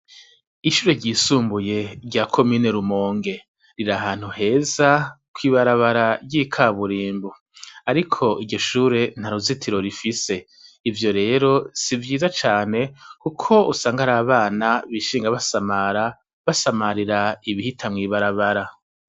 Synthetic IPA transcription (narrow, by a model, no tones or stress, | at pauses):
iʃuːɾe̞ɾɟiːsuːmbuje̞ɾɟakʰo̞miːne̞ɾumoːŋɡe̞ | ɾiɾaɦaːn̥huhe̞ːza | kwiːβaɾaβaɾaɾɟiːkʰaβuɾiːmbu | aɾikʰo̞ʔiɟo̞ʃuːɾe̞n̥aɾuzitʰiɾo̞ɾifise̞ | ivjo̞ɾe̞ːɾo̞sivjiːzat͡ʃaːne̞kukʰo̞usaːŋɡaɾaːβaːnaβiːʃiːŋɡaβasamaɾa | βasamaɾiɾaiβihitʰamŋiːβaɾaβaɾa